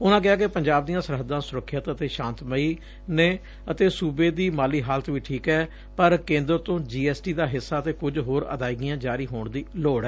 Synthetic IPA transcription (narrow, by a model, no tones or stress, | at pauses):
ʊnãːkɪaːkepəɲd͡ʒaːb̚d̪ijãːsəɾɦəd̪ːãːsʊɾəkʰːjət̪ət̪eːʃãːnt̪məiː | neː | ət̪eːsuːbeːd̪iːmaːliːɦaːlət̪ʋiːʈʰiːkɛː | pəɾkẽːnd̪əɾt̪õːd͡ʒiːɛːsʈiːd̪aːɦɪsːaːət̪eːkʊd͡ʒɦoːɾə̰d̪aːiːɡɪjãːd͡ʒaːɾiːɦoːɳd̪iːloːɽɛː